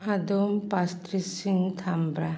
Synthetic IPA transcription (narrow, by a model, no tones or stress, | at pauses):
ad̪ompast̪ɾisiŋt̪ʰambɾa